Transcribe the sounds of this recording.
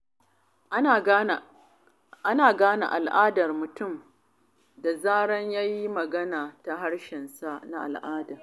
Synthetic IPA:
ʔa˦naː˨ɡaː˦na̰˨ʔa˨lʔaː˦dɐ˨rmʊ˨tʊ˦˨m | da˨zaː˦ɽɐ˦ɲjaː˦ji˦mɐ˨ɡɐ˦naː˨ta˨ɦa˦ɽʃɪ˨nsa˦ʔna˦ʔa̰˨lʔaː˦da˨

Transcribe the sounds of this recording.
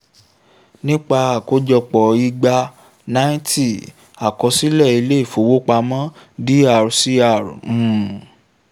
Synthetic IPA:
nĩ˦k͡pa˧a˨ko˦d͡ʒɔ˧k͡pɔ˨i˧ɡ͡ba˧ | nã˦ĩ˦ti˦˨ | a˨kɔ˧si˦lɛ˦˨i˧le˦i˦˨fo˨wo˦k͡pa˧mã˦di˦a˦˨ɾsi˦a˦˨ɾ̩̃˨

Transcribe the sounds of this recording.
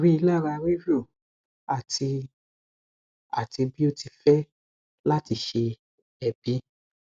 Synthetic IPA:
ɾi˦i˧la˦˨ɾa˧ɾi˦vi˦o˦˨ | a˦˨ti˧ | a̰˨ti˧bi˦o˦ti˧fɛ˦ | la˦ti˧ʃe˧ | ɛ˨bi˨˦

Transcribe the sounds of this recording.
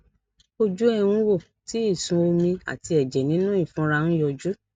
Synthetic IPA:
o˧d͡ʒu˦ɛ˦˧ũ˦wo˦˨ | ti˦i˦˨sũ˧o˧mĩ˧a̰˨ti˧ɛ˨d͡ʒɛ˨nĩ˨˦nũ˦ĩ˦˨fũ˨˦ɾa˧nũ˦jɔ˧d͡ʒu˦

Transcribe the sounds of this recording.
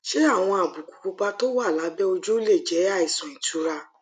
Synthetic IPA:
ʃe˦a˦˨w̃ɔ̃˧a˨bu˨ku̥˨ku˧k͡pa˧to˦wa˦˨la˨˦bɛ˦o˧d͡ʒu˦le˦˨d͡ʒɛ˨˦a˦˨i˨sɔ̃˨ĩ˨tu˨˦ɾa˧

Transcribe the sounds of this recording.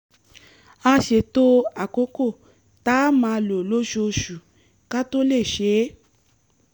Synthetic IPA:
a˧ʃe˨to˦a˨ko˨˦ko˦˨ | ta˦mã˧˦˧lo˨lo˦ʃu˧o˧ʃu˨ | ka˦to˦le˦˨ʃe˨˦

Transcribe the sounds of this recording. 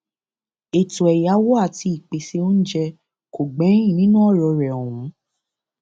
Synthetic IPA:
e˨tu˨ɛ˨ja˨˦wɔ˦a˦˨ti˧i˨k͡pe˨se˧˦o˦n̩˦d͡ʒɛ˧ | ko˨ɡ͡bɛ̃˨˦ĩ˦˨nĩ˦nũ˦ɔ˦˨ɾɔ˧ɾɛ˨ɔ˨wũ˨˦

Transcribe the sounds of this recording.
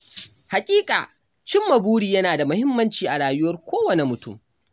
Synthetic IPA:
ha˨kʲʼiː˦kʼa̰ː˨ | t͡ʃɪ˦mːɐ˨buː˦ɽiː˨jɐ˦naː˨da˨mʊ˦hɪ˦mːɐ˦nt͡ʃiː˨ʔa˨ɽaː˨jʊ˦wɐ˦rkʷoː˦wɐ˨ne˨mʊ˨tʊ̰˦˨m

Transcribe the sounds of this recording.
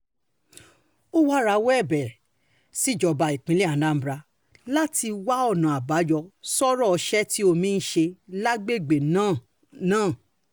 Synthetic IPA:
o˦wa˦ɾa˧wɛ˦˨bɛ˨ɾ | si˦˨d͡ʒɔ˧ba˨i˨k͡pĩ˨˦li˦a˨˦lã˦m̩˦bɾa˧ | la˦ti˧wa˦ɔ˦˨nã˨a˨ba˨˦jɔ˧sɔ˦ɾɔ˦ɔ˧ʃɛ˦ti˦o˧mĩ˦n̩˦ʃe˧la˦ɡ͡be˦˨ɡ͡be˨nãː˦˨ | nãː˦˨

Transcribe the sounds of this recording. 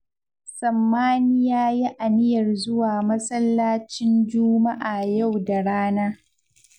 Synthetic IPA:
sɐ˨mːaː˦nɪ˦jaː˦ji˦ʔa˨nɪ˦jɐ˨rzʊ˦waː˨mɐ˦sɐ˦lːaː˦t͡ʃɪ˦nd͡ʒʊ˦ma˦ʔaː˨ja˦˨wda˨ɽaː˦naː˦

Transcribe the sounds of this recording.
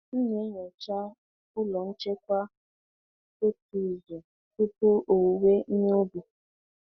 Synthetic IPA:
n̩˦ɲe˦ɲɔ˨t͡ʃa˦ | ʊ˦lɔ˨n̩˦t͡ʃe˦k̚ʷa˦ | ke˦ti˨ze˨ | ku˦pʊ˦ʔo˨we˦n̩˦ɲe˦o˦bu˨

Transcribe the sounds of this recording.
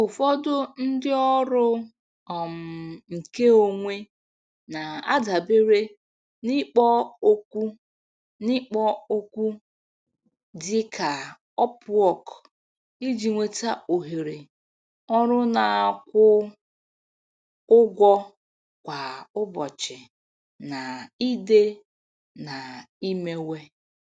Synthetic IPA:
ʊ˨fɔ˦dʊ˦n̩˦dɪ˦ɔ˦ɾʊ˦ | ɔ˨m̩˨ŋ̩˨ke˦o˦ŋʷe˦ | na˨a̰˦da˨be˦ɾe˦ | nɪ˦k͡pɔ˦o˦kʷu˦ | nɪ˦k͡pɔ˦o˦kʷu˦ | dɪ˦kʰa˨ | ɔ˦pʊ˨ɔ˨k | i˦d͡ʒi˨ŋʷe˨ta˦o˨ɦe˨ɾe˨ | ɔ˦ɾʊ˦na˨a˨kʷʊ˦ | ʊ˦ɡʷɔ˦ | kʷa˨ʊ˦bɔ˨t͡ʃɪ˨ | na˨i˦de˦ | na˨ | i˦me˦we˦

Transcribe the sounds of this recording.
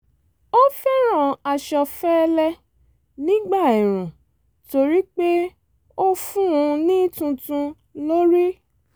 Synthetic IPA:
o˦fɛ˦ɾ̃ã˨a˨ʃɔ˧fɛ˦˧lɛ˧ | nĩ˦ɡ͡ba˦˨i˨ɾ̃ũ˨ | to˧ɾi˦k͡pe˦ | o˦fũ˦ũ˧nĩ˦tũ˧tũ˧ | lo˦ɾi˦

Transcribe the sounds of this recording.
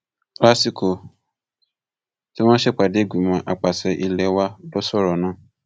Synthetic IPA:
kla˦si˨kʰo˨ | ti˦w̃ã˦ʃe˦k͡pa˨de˦ɡʷi˨mã˨ʔa˨k͡pa˨sɛ˨ʔi˨lɛ˨wa˦dɔ˦sɔ˦ɾɔ˨nã˦

